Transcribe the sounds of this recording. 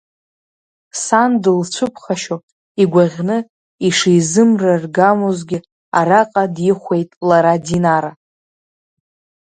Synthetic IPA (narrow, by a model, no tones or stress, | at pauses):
sandɨlt͡ʃʷʰɨpʰχaʃo | iɡʷaʁʲnɨ | iʂejzɨmrarɡamozɡʲɪ | aɾaqʼadjɪχʷe̞jtʼlaɾadinaɾa